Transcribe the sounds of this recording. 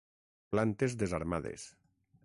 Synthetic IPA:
plant̪ezðezaɾmaðḛs

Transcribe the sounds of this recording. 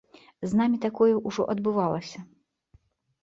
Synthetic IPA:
znamʲit̪akɔjɛʔuʐɔ̰ʔɐd̪bɨvalˠɐsʲɐ

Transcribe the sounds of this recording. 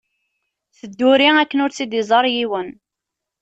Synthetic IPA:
θəd̪ːʊɾiækːənʊɾt͡sːid̪izˤəɾˤjiwən

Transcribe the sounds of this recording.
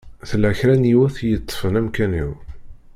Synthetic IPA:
θəlæçɾænjiwæθjət̪ˤːfənæmkænḭw

